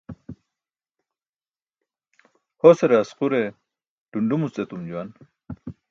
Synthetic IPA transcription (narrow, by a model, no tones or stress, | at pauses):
hoseɾasquɾe | ɖ̥uɳɖumut͡set̪umd͡ʑuwan